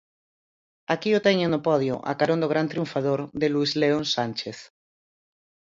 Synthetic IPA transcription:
akiot̪ɛɲenopɔð̞jo̰ʔa̰kaɾond̪oɣɾant̪ɾjuɱfaðoɾðeluizleonsanʲt͡ʃeθ

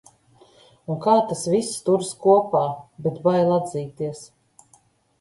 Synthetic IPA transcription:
unkaːt̪asvist̪uɾskuɔpaːbɛt̪bajlˠad̪ziːt̪iɛs

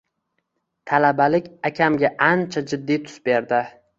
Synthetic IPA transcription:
t̪ʰalabalɪkʲakʲʰamɡʲaʔant͡ʃʰad͡ʒɪd̪ːijt̪ʰʊ̥sbe̞ɾd̪ɪ

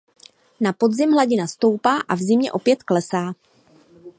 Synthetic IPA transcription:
napo̞dzɪmɦlaɟɪnast̪o̞wpaːʔavzɪmɲɛʔo̞pjɛt̪klɛsaː

